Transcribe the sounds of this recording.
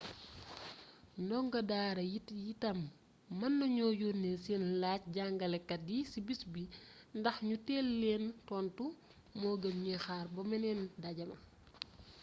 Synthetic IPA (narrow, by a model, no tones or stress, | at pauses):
ndɔŋɡɐdaːɾɐjijitɐmː | ɐnːɐɲɔːjunːesenlaːc̚ɟaŋɡɐlɛkːɐdisibisbindɐxɲutɛːlːɛːntɔːntu | mɔːɡɐmɲɛxaːrbɔmɛnɛːndaɟɐmɐ